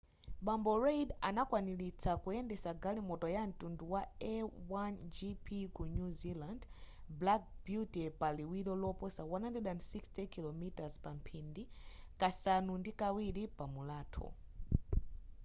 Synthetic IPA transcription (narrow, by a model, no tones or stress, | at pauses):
ɓambɔɹejdanakwanilit͡sʰakujɛndɛsaɡalimɔtɔjan̩tunduwaɛwand͡ʒipʰikunuziland | blak̚bjutipaliwiɾɔlɔpɔsawanhandɛdandsikstʰɛkilɔmitazpam̩pʰindikasanundikawiɾipamulaːtʰɔ̰